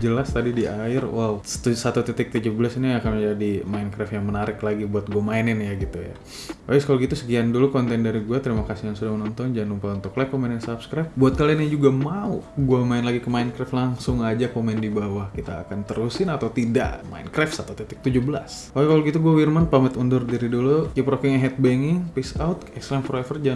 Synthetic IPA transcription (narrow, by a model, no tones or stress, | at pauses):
d͡ʒəlast̪adidiaɪrwausat̪ut̪ɛt̪ɪk̚t̪ud͡ʒubəlasiniakanməɲd͡ʒadimaɪnkɾɛfjaŋmənaɾɪklaɡibuat̪̚ɡuamaɪnɪnjaɡit̪uja̰ | aɪskaloɡit̪usə̥kiandulukɔnt̪ɛndaɾiɡuat̪əɾimakasijaŋsudahmənɔnt̪ɔnd͡ʒanlumpaunt̪ʊklakːomɛnɛnsapskɾajp̚buat̪̚kalianjad͡ʒuɡamauɡuamaɪnlaɡikəmaɪnkɾɛflaŋsʊŋad͡ʒakomɛndibawahkit̪a̰ːkant̪əɾusɪnat̪awt̪ida̰ʔma̰ɪ̰nkɾɛfsat̪awt̪it̪ɪ̥k̚t̪ud͡ʒubəla̰s | aɛkaloɡit̪uɡuawirmanpamət̪undʊrdiɾidulukipɾokɪŋɦɛt̪̚bɛŋɪŋpisawt̪ɛkslɛmfɾɛfərd͡ʒan